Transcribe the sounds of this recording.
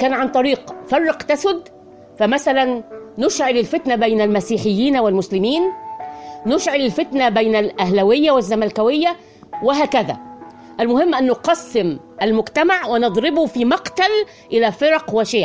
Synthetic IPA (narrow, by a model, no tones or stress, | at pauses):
kæːnʕant̪ˤɑɾiːqfɑrˤːɑqt̪asʊd̪ | fæmæsælænːʊʃʕɪlɪlfɪt̪nabæjnælmæsiːħɪjːiːnwɪlmʊslɪmiːnː | ʊʃʕɪlɪlfɪt̪nabæjnælʔæhlæwɪjːawɪzːamælkæwɪjːa | wɪɦæːkæðæ̰ | ʔælmʊhɪmːʔanːʊqɑsːɪm | ʔalmʊɡt̪amaʕwɪnɨd̪ˤɾɪbʊfiːmɑqt̪al | ʔɪlæːfɪɾˤɑqwɪʃeːʕ